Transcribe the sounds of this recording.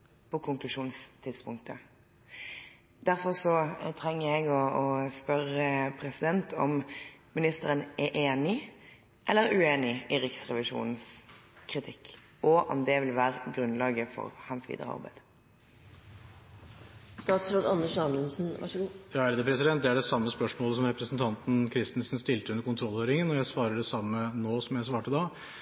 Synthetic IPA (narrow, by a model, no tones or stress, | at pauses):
pʰɔkʰʊŋklʉʂuːnst̪ʰɪd̪spʊŋkt̪ʰə | d̪̥æɾfɔʁsɔt̪ʰɾɛŋːəɛɡɔɔspœʁəpʰɾɛsɪd̪ɛnt̪ʰɔmmɪnɪst̪əɾənʔɛʔeːnɪ | ʔɛlːəɾʉeːnɪɪɾɪksʁɛʋɪʂṵːnn̩skʰɾɪt̪ʰɪkː | ʔɔʔɔ̰md̪ɛʋɪlʋæːɾəɡɾʉnlɑːɡəfɔ̰ɾhɑnsʋḭːd̪ə̰ʁə̰ɑ̰ʁbæ̰ɪd̪̥ | st̪ɑːt̪sɾoːd̪ɑnːəʂɑmənsn̩jɑːæɾd̪əpʰɾɛsɪd̪ɛnt̪̚d̪ɛæɖɛsɑmːəspœʂmoːləsɔmɾɛpɾəsn̩t̪ʰɑnt̪n̩kʰɾɪst̪n̩snst̪ɪlt̪əʉnːəɾkʊnt̪ʰɾɔlhøːɾɪŋənɔjæɪsʋɑːɾəɖɛsɑmːənoːsɔmjæɪsʋɑːʈəd̪ɑː